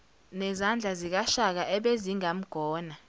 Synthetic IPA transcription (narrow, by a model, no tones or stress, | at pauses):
nɛzand͡ɮʱazik̬aʃak̬aʔɛɓeziŋam̩ɡ̥ʱɔːna